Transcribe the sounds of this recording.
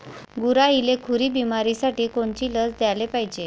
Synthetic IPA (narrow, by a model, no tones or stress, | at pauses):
ɡuɾailekʰuɾiːbimaɾisaʈiːkoɳt͡ɕiːləsd̪jalepaɦid͡ʑe